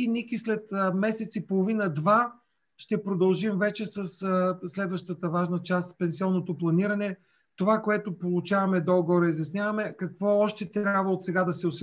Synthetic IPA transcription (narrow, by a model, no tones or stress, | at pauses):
inikislɛt̪mɛsɛt̪sipolˠovinəd̪va | ʃt̪ɛpɾod̪ɐlˠʒimvɛt͡ʃɛsəsslɛd̪vəʃt̪ət̪əvaʒnət͡ʃast̪pɛnsiɔnːot̪oplˠɐniɾɐnɛ | t̪ovakoɛt̪opolˠʊt͡ʃavɐmɛd̪ɔɡɾɐizjɐsnʲjavɐmɛkɐkvɔɔʃt̪ɛt̪ɾʲjabvəot̪sɛɡad̪ɐsɛʊsi